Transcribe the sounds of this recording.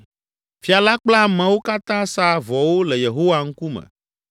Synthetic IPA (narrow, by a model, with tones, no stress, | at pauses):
fi˨a˨la˦k͡pla˦mɛ̃˨wo˦ka˦t̪ã˦sa˦vɔ˨wo˦lɛ˨je˨ɦo˦wa˨ŋ̩˦ku˦mɛ̰̃˨